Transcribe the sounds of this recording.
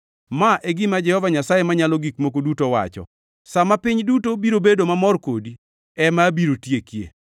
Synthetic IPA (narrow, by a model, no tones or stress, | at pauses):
maʔeɡɪmad͡ʒɛhɔvaɲasajemaɲalɔɡikmokodutowa̰t͡ʃɔ̰ | samapiɲdutobiɾobedomamɔrkodi | ɛmabiɾotjekjḛ